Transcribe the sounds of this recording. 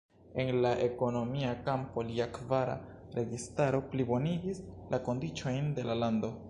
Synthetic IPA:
e̞nlaʔe̞ko̞no̞miakampo̞liakvaɾa̰ | ɾe̞ɡistaɾo̞plibo̞niɡislako̞ndit͡ʃo̞jnde̞lalando̞

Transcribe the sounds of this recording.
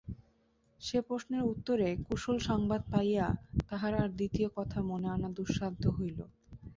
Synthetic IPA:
ʃepɾosneɾut̪ːoɾekuʃolʃɔŋbad̪̚pajjat̪aɦaɾaɾd̪it̪iokɔt̪ʰamoneanad̪uʃːad̪ʱoɦojlo̰

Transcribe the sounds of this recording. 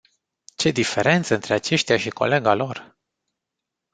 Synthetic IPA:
t͡ʃe̞d̪ife̞ɾe̞nt̪səɨnt̪ɾe̞at͡ʃe̞ʃt̪ʲjaʃiko̞̰le̞ɡalo̞r

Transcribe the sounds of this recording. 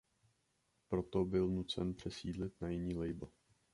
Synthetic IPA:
pɾo̞t̪o̞bɪlnut͡sɛnpr̝̥ɛsiːdlɪt̪najɪɲiːlɛjbl̩

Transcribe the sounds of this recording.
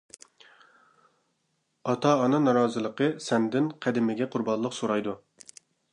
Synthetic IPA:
ɑt̪ʰɑːnɨŋnɑɾɑːzɨlˠəqəsɛnd̪ɪnqʰæd̪ɪmɪɡʲɛqʰʊɾbɑnlˠəqsoɾɑjd̪u

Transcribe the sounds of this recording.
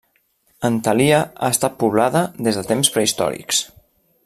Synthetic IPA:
ənt̪əliəast̪at̪̚puβ̞laðəðezðət̪emspɾəist̪ɔ̰ɾḭks

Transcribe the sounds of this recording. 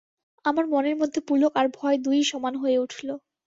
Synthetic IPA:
amaɾmɔneɾmod̪ʱːepulokaɾbʱɔed̪ujʃɔmanɦoeuʈʰulo

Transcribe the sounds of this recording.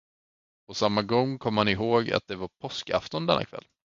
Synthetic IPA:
pʰɔsamːaɡɔŋːkʰɔmːəhanɪɦoːɡa̰t̪̚d̪ɛvaɾpʰɔska̰ft̪ɔnd̪ɛnːakʰvɛ̰lː

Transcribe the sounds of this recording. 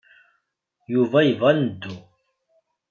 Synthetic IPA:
juvajvɐnd̪u

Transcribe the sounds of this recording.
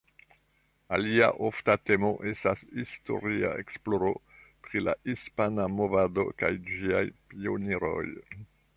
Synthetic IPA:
alia̰ʔo̞ftate̞mo̞ʔe̞stasisto̞̰ɾia̰ḛksplo̞ɾo̞̰pɾilaʔispanamo̞vado̞̰kajd͡ʒiajpio̞niɾo̞̰j

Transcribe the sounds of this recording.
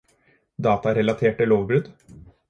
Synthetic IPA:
d̪ɑːt̪ɑɾɛlɑt̪ʰeːʈːɪloːʋbɾʉd̪

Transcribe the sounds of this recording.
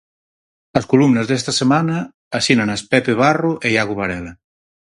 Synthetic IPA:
əskulumnəzðɛst̪ɐsemanaː | sinanaspɛpeβ̞aruʔejaɣuβaɾɛla

